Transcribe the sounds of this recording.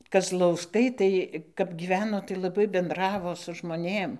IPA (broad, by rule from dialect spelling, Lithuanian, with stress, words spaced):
kɐzlˠɐʊsˈkɐɪ tɐɪ kɐp ˈɡʲiːʋʲɛnoː tɐɪ lˠɐˈbɐɪ bʲɛnˈdrɑːʋoː sʊ ʒmoːˈnʲeːm